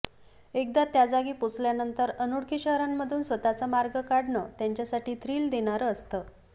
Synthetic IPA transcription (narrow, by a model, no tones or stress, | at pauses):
ek̚d̪at̪jad͡zaɡiːput͡sljanənt̪əɾənuɽkʰiːɕəɦɾamːəd̪ʱuːnsʋət̪at͡samaɾɡəkaɽɳət̪jaɲt͡ɕjasaʈiːt̪ʰɾiːld̪eɽ̃aɾəst̪ə